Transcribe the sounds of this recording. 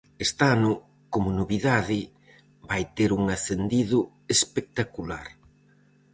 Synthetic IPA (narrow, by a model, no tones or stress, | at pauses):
est̪anʊ | komʊnoβiðaðɪ | bajt̪eɾuŋaθend̪iðʊ | espek̚t̪akula̰ɾ